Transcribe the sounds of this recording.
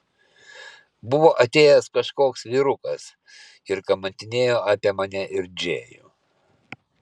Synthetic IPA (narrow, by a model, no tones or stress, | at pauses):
bʊʋoːʔɐt̪ʲeːjɛskɐʃkoːksʋʲiːɾʊkɐs | ɪɾkɐmɐnʲt̪ʲɪnʲeːjoːʔɑːpʲiɛmɐnʲɛʔɪɾd͡ʒʲeːjṵː